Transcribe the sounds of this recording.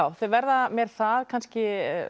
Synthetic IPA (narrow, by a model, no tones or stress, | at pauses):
awθœvɛɾðamjɛɾ̥θaðkʰanscɪ